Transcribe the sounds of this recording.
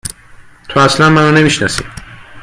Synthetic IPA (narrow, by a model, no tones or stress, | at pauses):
t̪ʰoæslænmænɔne̞miʃnasḭ